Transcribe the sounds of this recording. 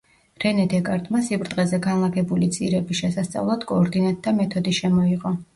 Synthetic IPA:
ɾɛnɛd̪ɛkʼaɾd̪ʼmasipʼɾd̪ʼʁɛzɛɡanlˠaɡɛbulit̪sʼiɾɛbiʃɛsast̪sʼa̰vlˠad̪̥kʼɔːɾd̪inat̪̚d̪amɛt̪ʰɔd̪iʃɛmɔiʁʼɔ

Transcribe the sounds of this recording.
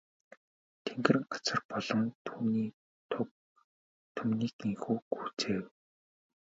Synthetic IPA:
t̪ʰeŋɡɘ̆rɢat͡sə̆rpɔɮ̥ɞ̆ŋt̪ʰuːniː | t̪ʰʊp̚ | t̪ʰʊmniːkiŋxuːɡuːt͡seːw

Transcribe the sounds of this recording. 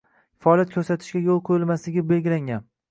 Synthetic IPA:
faɒːlˠjat̪̚kʲʰɵɾsat̪ʰɪʃkʲajolˠqʰojɪlˠmaslɪɡʲɪbelɡʲɪlaŋɡʲan

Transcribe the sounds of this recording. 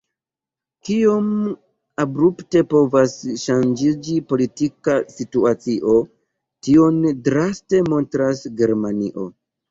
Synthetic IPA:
kio̞m | abɾupte̞po̞vasʃand͡ʒid͡ʒipo̞litikasituat͡siʔo̞ | tio̞ndɾaste̞mo̞ntɾasɡe̞ɾmaniʔo̞

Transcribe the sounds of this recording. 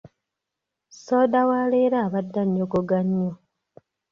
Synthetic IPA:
soːdawaːleːɾaːβadːaɲːoɡoɡaɲːo

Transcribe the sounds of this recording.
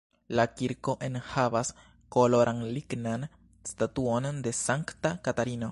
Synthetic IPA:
lakiɾko̞ʔe̞nhavas | ko̞lo̞ɾʔanliɡnan | statuo̞nde̞saŋktakataɾino

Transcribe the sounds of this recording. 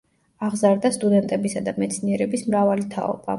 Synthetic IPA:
aʁzaɾd̪ast̪ʼud̪ɛnt̪ʼɛbisad̪amɛt̪sʰniɛɾɛbismɾavalit̪ʰa̰ɔ̰b̥a̰

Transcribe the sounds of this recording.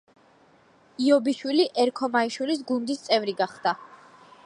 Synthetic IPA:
iɔbiʃwiliʔɛɾkʰɔmaiʃwilis̬ɡund̪ist̪sʼɛvɾiɡaχd̪̥a

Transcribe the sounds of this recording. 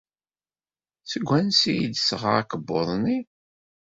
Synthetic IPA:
səɡʷːænsijid̪sʁa̰ækəbːoðˤni

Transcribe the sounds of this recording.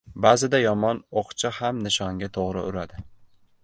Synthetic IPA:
bazɪd̪ajɒmɒnoqt͡ʃʰɪhamnɪʃɒŋɡʲat̪ʰoʁɾɪ̰ʊɾad̪ɪ

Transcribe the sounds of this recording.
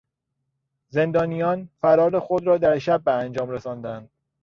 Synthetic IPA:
ze̞nd̪ɒːnijɒːnfæɾɒːɾe̞xod̪ɾɒːd̪æɾʃæbːeænd͡ʒɒːmɾesɒːnd̪ænd̪̥

